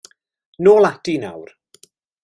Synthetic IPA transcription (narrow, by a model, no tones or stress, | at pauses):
noːlˠad̥ina̰wr